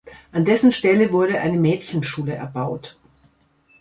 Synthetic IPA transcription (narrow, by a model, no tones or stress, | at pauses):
ʔandɛsn̩ʃtɛləvʊɐɾəʔa̰ɪnəmɛːtçən̩ʃuːləʔɛɐbaʊt